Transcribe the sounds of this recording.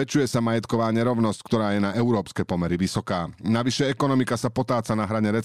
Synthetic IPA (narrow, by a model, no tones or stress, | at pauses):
ɛt͡ʃujɛsamajɛt̪kɔʋaːɲɛɾɔʊnɔsckt̪ɔɾaːjɛnaʔɛʊɾɔːpskɛpɔmɛɾiʋisɔkaːnaʋiʃɛɛkɔnɔmikasapɔt̪aːt͡sanaɦɾaɲɛɾɛ